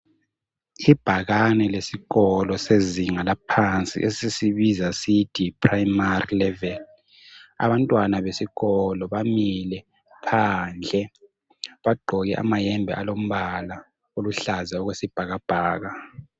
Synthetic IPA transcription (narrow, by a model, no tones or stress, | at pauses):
ib̥ʱaɣanɛlesiɣɔlɔseziŋalapʰant͡sʼḭʔesisiβizasitʰʼipʰʼraimarilɛvɛl | a̰βantʼwanaβesiɣɔlɔβamilɛ | pʰand͡ɮʱɛ | βaɡ͡ǃʱɔɣɛʔa̰majɛmbʱɛ̰ʔalom̩βala | oluɬazɛɔɣwesib̥ʱaɣab̥ʱaːɣa